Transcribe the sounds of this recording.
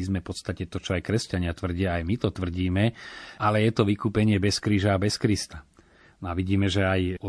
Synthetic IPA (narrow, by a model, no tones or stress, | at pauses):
izmɛfpɔt̪st̪acɛt̪ɔt͡ʃɔajkɾɛscaɲɪat̪ʋr̩ɟɪaːjmit̪ɔt̪ʋr̩ɟiːmɛalɛjɛt̪ɔʋikuːpɛɲɪɛbɛskɾiːʒaːbɛskɾist̪a | nɔaʋiɟiːmɛʒɛajɔ